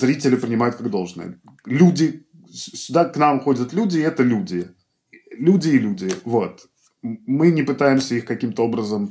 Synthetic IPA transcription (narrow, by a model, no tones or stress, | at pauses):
zɾʲitʲɪlʲɪpɾʲɪnʲɪmajʊt̪kaɡd̪o̞lˠʐnə̰jə̰ | lʲudʲɪ | ssʲʊd̪aknamxo̞dʲət̪lʲudʲɪɛt̪əlʲudʲɪ | lʲudʲɪːlʲudʲɪvo̞t̪ | mɨnʲɪpɨt̪ajɪmsʲəixkɐkʲimt̪əo̞bɾəzəm